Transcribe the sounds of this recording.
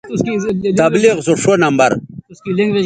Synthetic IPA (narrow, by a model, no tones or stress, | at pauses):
t̪ɐbliqzuʂonɐmbɐ̰ɾ